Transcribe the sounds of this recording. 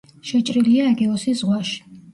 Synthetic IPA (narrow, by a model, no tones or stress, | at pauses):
ʃɛt͡ʃʼɾiliaːɡɛɔsizʁwaʃi̥